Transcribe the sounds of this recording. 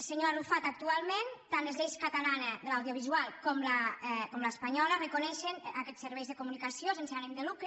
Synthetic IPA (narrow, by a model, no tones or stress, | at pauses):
seɲoarufat̪ak̚t̪ualˠment̪anlezʎejskat̪alaneðəlawðjoβ̞izualˠkɔmlakɔmlaespaɲɔlərəkonɛʃenakɛsəɾβɛjzðəkumunikasiosenseanemd̪əlukɾ